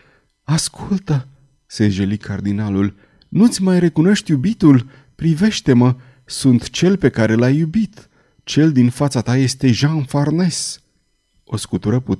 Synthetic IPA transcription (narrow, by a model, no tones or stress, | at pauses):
askʰult̪ə | seʒelikʰard̪inalul | nut̪sʲmajre̞kuno̞ʃt̪jubit̪ul | pɾive̞ʃt̪e̞mə | sunt̪t͡ʃe̞lpe̞kaɾe̞lajubit̪ | t͡ʃe̞ld̪infat̪sat̪aje̞st̪e̞ʒanfarne̞s | o̞skut̪uɾəpu